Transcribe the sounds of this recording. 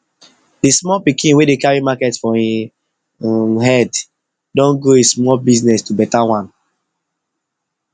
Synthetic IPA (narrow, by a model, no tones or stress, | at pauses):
dismɔlpikĩnwedekaɹimakɛtfɔĩ | ɦɛd | dɔ̃nɡoesmɔlbiznɛstubɛtawãn